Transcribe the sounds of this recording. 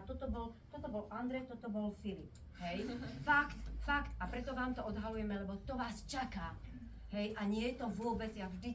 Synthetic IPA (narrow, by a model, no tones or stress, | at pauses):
t̪ɔt̪ɔbɔlt̪ɔt̪ɔbɔlʔand̪ɾɛt̪ɔt̪ɔbɔlfilip̚ | ɦɛjfakt̪fakt̪apɾɛt̪ɔʋaːmt̪ɔɔd̪ɦalujɛmɛlɛbɔt̪ɔʋaːst͡ʃakaː | ɦɛjʔaɲɪɛjɛt̪ɔvʊɔbɛd͡zjaʒd̪i